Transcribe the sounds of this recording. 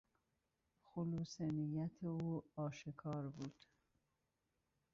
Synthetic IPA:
xʊluːsenijæt̪ʰeuːɒːʃekʰɒːɾbuːd̪̥

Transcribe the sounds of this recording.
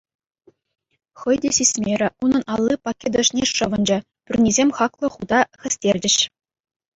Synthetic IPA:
χɤ̆jdʲeɕisʲmʲeɾʲɘ̆ʔunɤ̆nʔɑlˠːipɑkʲːed̪ŏʂnʲeʂɤ̆ʋɤ̆nd͡ʑɤ̆ | pʲyrʲnʲizʲemʲχɑklˠɤ̆χud̪ɑxʲɘ̆sʲtʲerʲdʲɘ̆ɕ

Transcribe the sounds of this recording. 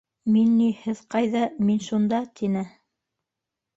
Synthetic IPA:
minːihɘðqɑjðɑminʃund̪ɑt̪ʰinɘ

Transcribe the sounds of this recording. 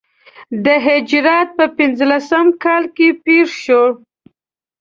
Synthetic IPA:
d̪əɦɪd͡ʒɾɑt̪̚pəpɪnzlasəmkɑlkepeʂʃoɽ

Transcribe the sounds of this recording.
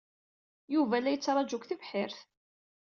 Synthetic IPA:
juvælːæjət͡sːɾˤɑd͡ʒʊkθəvħɪɾθ

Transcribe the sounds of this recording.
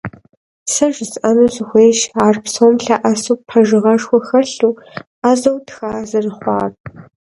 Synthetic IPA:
sɐʒzʔɐnɨzɨxʷeːʃaːrpsoːmɬaʔɐsuːpʰɐʒɨʁɐʂxʷɔxɐɬuː | azɐwtʰxaːzɨrɨχʷɑːr

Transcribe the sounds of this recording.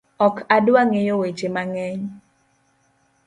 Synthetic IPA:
ɔkʰadwaŋɪjowet͡ʃemaŋɛɲ

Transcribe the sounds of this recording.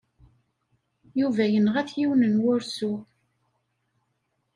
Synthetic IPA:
juvæjənʁæθjiwnənwʊɾsu

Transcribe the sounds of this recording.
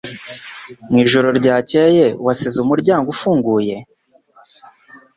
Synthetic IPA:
mŋwiːʒo̞ɾo̞ɾɟaːcejewasizumuɾɟaːŋɡufuːŋɡuːje̞

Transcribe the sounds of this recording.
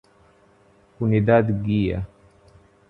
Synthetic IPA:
kunid̪ad̪ɡija̰

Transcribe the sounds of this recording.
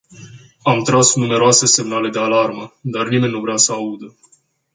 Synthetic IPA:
amt̪ɾasnume̞ɾoase̞se̞mnale̞d̪e̞alarməd̪arnime̞nʲːnuvɾeasəaud̪ə

